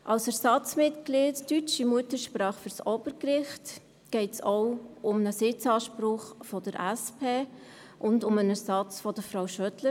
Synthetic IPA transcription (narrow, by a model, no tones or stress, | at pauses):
ʔɑwsæɾsɑt͡smɪtklɪːttyt͡ʃimuətəʃpɾɑːχføɾsɔb̥əɾkɾɪχt | ɡ̥ɛɪtsɔwʊmnəsɪt͡sɑːʃpɾʊχfɔd̥əɾʔæspʰeː | ʔʊndʊmənæɾsɑt͡sfɔd̥əfɾawʃœtlə